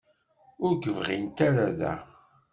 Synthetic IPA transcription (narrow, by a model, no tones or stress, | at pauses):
ʊɾɡəvʁint̪aɾaðæ̰